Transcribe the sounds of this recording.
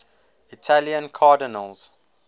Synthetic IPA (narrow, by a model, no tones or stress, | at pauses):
itʰaliə̃nkʰaːdənə̰lz̥